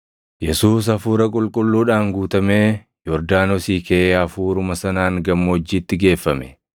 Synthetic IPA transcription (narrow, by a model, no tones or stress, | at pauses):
jɛsuːs̬ɐfuːɾɐkʼʊlkʼʊlːuːᶑaːŋɡuːt̪ɐmeː | jɔɾd̪aːnɔsiːkeʔeːɐfuːɾʊmɐsɐnaːŋɡɐmːoːd͡ʒːiːt̪ːɪɡe̞ːfːɐmɛ̰